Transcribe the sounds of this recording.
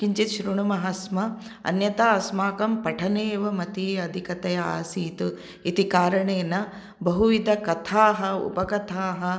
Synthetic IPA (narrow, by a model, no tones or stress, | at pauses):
kiɲt͡ʃit̪ʃɾuɳumɐɦɐsmɐ | ɐ̰njɐt̪aːɐsmaːkɐmpɐʈʰɐneːʋɐmɐt̪iɐd̪ʱikɐt̪ɐjɐa̰ːsiːt̪u | it̪ikaːɾɐɳeːnɐ | bɐɦuʋid̪ʱɐkɐt̪ʰaːɦɐṵpɐkɐt̪ʰaːɦɐ̆